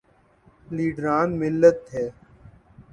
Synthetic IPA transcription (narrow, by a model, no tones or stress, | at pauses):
liːɖɾaːnmɪlːət̪ɦɛː